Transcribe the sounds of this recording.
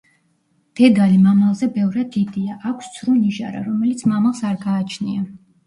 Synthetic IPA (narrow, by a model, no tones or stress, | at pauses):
d̪̥ɛd̪alimamalˠzɛbɛvɾad̪ːid̪iaʔakʷʰst̪sʰɾɔniʒa̰ɾa̰ɾɔmɛlit̪sʰmamalˠsaɾɡaːt͡ʃʰnia